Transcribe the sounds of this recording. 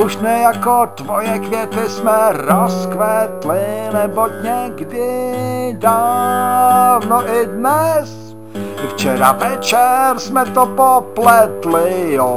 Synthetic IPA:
uʃnɛjakod̪vojɛkvjɛt̪ɪsmɛɾoskvɛt̪lɪnɛboɲɛɡdɪda | vnoʔɪdnɛs | ft͡ʃɛɾa̰vɛt͡ʃɛrsmɛt̪opoplɛt̪lɪjo

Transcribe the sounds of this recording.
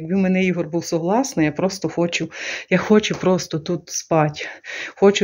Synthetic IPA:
ɡbɪmenɛjiɦɔrbuwsʊɦlˠɑsnɔjapɾɔst̪ɔxɔt͡ʃʊjaxɔt͡ʃʊpɾɔst̪ɔt̪ut̪spɑtʲxɔt͡ʃʊ

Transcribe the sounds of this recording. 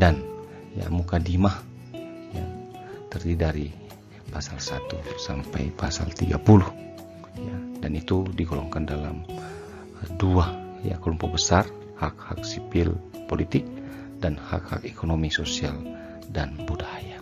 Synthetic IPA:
dan | ja̰mukadimah | ja̰ | t̪ərdidaɾi | pasalsat̪usampajpasa̰lt̪iɡapuluh | jadanit̪udiɡolɔŋkandalam | dua | ja̰kolumpuʔbəsar | hak̚hak̚sipɪl | polit̪ɪk̚ | danha̰kha̰kekonomisosial | danbudaja

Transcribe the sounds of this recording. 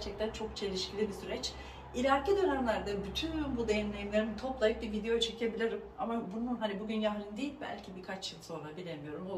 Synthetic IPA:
ɾt͡ʃʰɛc̚t̪ʰænt͡ʃʰo̞kt͡ʃʰe̞lʲiʃcʰilʲibisyɾɛt͡ʃ | ilʲaɾked̪ønæmlʲæɾd̪abyt̪ʰynbud̪e̞jinlʲe̞jimlʲe̞ɾinit̪ʰo̞plˠajɯk̚bivid̪e̞jo̞t͡ʃʰicʰebilʲiɾimamabununɦanibuɟynjaɦlʲind̪eilʲbæ̰lʲcʰibikʰat͡ʃjɯlˠso̞nabilʲemijo̞ɾumo

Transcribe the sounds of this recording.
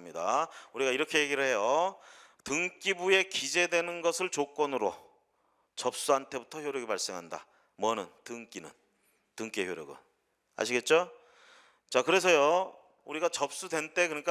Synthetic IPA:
mɲida̰uɾiɡaiɾʌkʰe̞je̞ɡiɾɯɭhe̞jo | tɯŋk͈ibue̞kid͡ʑe̞dwe̞nɯnɡʌsʰɯɭt͡ɕok͈ʌnɯɾo̰ | t͡ɕʌp̚s͈uantʰe̞butʰʌçjoɾjʌɡipaɭs͈e̞ŋɦanda̰ | mwʌnɯntɯŋk͈inɯ̰n | tɯŋk͈eçjoɾjʌ̰ɡɯ̰n | a̰ɕʰiɡe̞t̚t͡ɕ͈o | t͡ɕakɯɾe̞sʰʌjo | uɾiɡat͡ɕʌp̚s͈udwe̞nt͈e̞kɯɾɲik͈a

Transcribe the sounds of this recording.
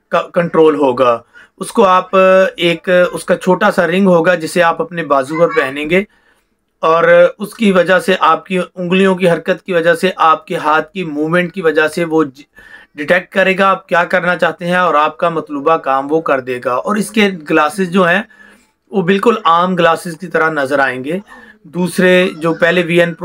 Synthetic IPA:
kakɐ̃ɳʈɾoːlɦoːɡaː | ʊskoaːpeːkʊskat͡ʃʰoːʈasaɾɪ̃ŋɡɦoːɡad͡ʒɪsːeaːpɐpnebaːzupɐɾpɛɦnẽːɡeː | ɔːɾʊskiʋɐd͡ʒaseʔaːp̚kiʊ̃ŋɡlijõk̬iɦɐɾkət̪kiʋɐd͡ʒaɦseʔaːp̚keɦaːt̪̚ʰkimuːʋmɛ̃ɳʈ̚kiʋɐd͡ʒaseʋo | ɖɪʈɛk̚ʈ̚kɐɾeːɡaːp̚kjaːkɐɾnat͡ʃaːɦt̪eɦɛ̃ɔːɾaːp̚kamɐt̪luːbakaːmʋokɐɾd̪eːɡaːɔːɾɪskeɡlaːsɪzd͡ʒoːɦɛ̃ | ʋobɪlkʊlaːmɡlaːsɪzkit̪ɐɾanɐzəɾaːẽːŋɡeːd̪uːsɾed͡ʒoːpɛɦleʋiːənp

